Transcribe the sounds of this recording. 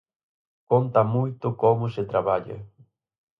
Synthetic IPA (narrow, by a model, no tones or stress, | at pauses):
kont̪amujt̪ʊkomʊset̪ɾaβaʎḛ